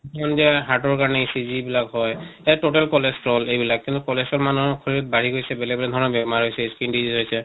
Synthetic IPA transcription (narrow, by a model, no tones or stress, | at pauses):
ɔnzɛɦaʈɔɹkaɹɔnɛisizibilakɦɔjɛtoʈɛlkɔlestɹɔlejbilakːint̪ukɔlɛsɔɹmanukʰoɹt̚baɹiɡojsɛbɛlɛbɛlɛd̪ʱɔɹɔnɔbɛmaɹɦojsɛskindizizɦojsɛ